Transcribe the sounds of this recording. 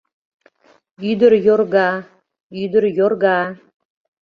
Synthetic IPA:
yd̪əɾjorɣɑ | yd̪əɾjorɣɑ

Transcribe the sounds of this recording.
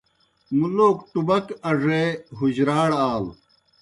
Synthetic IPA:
muloːkʈubɐkɐʐeɦuʑɾaːɽaːl

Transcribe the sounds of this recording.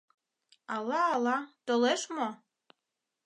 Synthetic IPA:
ɑlˠːɑːlˠːɑt̪oleʃmo

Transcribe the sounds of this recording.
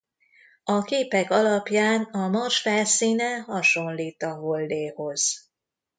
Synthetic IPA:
ɒkeːpɛkɒlɒpjaːnɒmɒrʃfɛlsiːnɛɦɒʃo̞nliːt̪ɒvold̪eːho̞z̥

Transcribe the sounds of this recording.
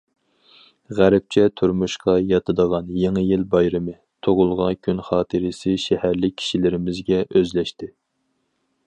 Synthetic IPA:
ʁæɾp̚t͡ʃʰɛt̪ʰuɾmuʃqɑjɑt̪ʰɨd̪əʁɑnjeŋɨjilbɑjɾɨmɨ | t̪ʰoʁʊlˠʁɑkʲʰynχɑːt̪ʰɨɾɪsɪʃɛhæɾlɪkʲʰːi̥ʃilɪɾɪmɪzɡʲɛʔøzlɛʃt̪ɪ

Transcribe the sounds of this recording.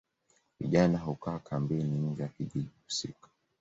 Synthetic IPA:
vḭʄanaɦukaːkʰambɛniɡɛakiʄiɗiku̥sḭkḁ

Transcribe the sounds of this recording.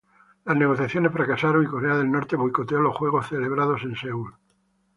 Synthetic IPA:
lazne̞ɣ̞o̞θjaθjonesfɾakasaɾoŋiko̞ɾeaðe̞lno̞ɾt̪eβojkot̪eolosxwe̞ɣ̞o̞sθe̞le̞β̞ɾað̞o̞se̞nseul

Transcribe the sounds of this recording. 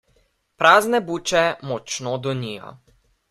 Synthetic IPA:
pɾaːznɛbuːt͡ʃɛmɔt͡ʃnod̪ɔnijɔ̰

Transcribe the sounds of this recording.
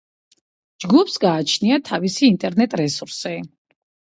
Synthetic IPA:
d͡ʒɡupʰsɡaːt͡ʃʰniat̪ʰavisiːnt̪ʼɛɾnɛt̪ʼɾɛsuɾsɛ

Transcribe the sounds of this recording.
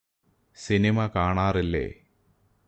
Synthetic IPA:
sinimɐkaːɳaːrilːḛ

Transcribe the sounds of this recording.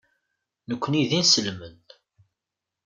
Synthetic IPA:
nəkʷːəniðinsəlmən

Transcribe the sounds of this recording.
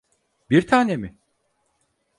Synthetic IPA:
biɾt̪ʰaːne̞mɪ

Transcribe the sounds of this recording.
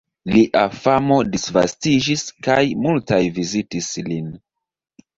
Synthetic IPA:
liʔafamo̞disva̰stid͡ʒiskajmultajvizitislin

